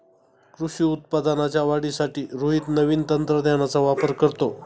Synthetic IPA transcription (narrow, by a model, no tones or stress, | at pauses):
kɾuɕiːut̪̚pad̪ənat͡ɕjaʋaɽisaʈiːɾoɦit̪nəʋiːnt̪ənt̪ɾəd̪jeñat͡saʋapəɾkəɾt̪o